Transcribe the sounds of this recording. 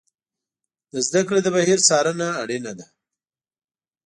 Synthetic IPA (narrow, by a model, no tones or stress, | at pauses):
d̪əzd̪akɽed̪əbaɦiɾsɑɾənaːɽinad̪a